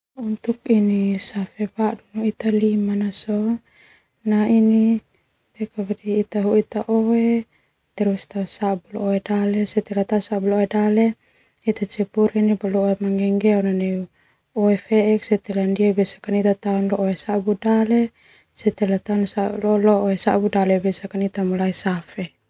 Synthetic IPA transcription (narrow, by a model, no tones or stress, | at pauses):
unt̪ukinisafɛbadunuit̪alimanasɔ | naini | bɛkabadiːt̪aɦuit̪aʔɔwe | t̪ɛɾust̪ausabulɔoedalɛsɛt̪ɛlat̪ausabuloedale | it̪at͡ʃɛpuɾɛnibaloemaŋɡɛŋɡɛunanɛ | oefɛʔɛksɛt̪ɛlandiabɛsḁkanit̪at̪aunlɔʔoesabudale | sɛt̪ɛlat̪aunsalɔlɔʔesa̰budalɛbɛsakanit̪amulaisafɛ